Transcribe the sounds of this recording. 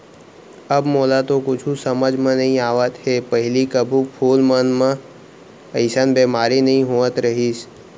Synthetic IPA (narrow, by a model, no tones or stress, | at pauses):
əbmoːlat̪okʊt͡ʃʰusɐməd͡ʒʱmẽnɐɦĩaːʋət̪ɦeːpəɦɪlikəbʱũpʰuːlmənmã | əɪsənbeːmaːɾinɐɦĩɦoːət̪ɾɐɦiːs